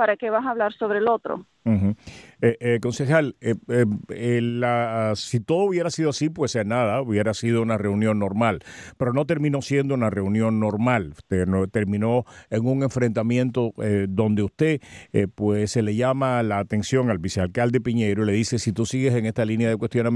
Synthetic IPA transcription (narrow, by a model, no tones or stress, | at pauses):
paɾakeβasaːβlaɾso̞βɾelo̞t̪ɾo̰ | x̩eko̞nse̞xal | elasit̪o̞ðouβje̞ɾasiðoasipwe̞senaðauβje̞ɾasiðo̞unare̞unjo̞nːo̞ɾmalpe̞ɾo̞no̞t̪e̞ɾmĩno̞sjend̪o̞unare̞unjo̞ŋno̞ɾmalt̪enot̪e̞ɾmĩno̞eŋuŋe̞ɱfɾe̞nt̪amjent̪o̞eðo̞nd̪e̞ust̪e̞pwesele̞ʝamalaːt̪e̞nsjo̞ŋalbisealkald̪e̞piɲe̞jɾoile̞ðise̞sit̪usiɣese̞ŋe̞st̪alinjaðe̞kwe̞st̪jo̞nam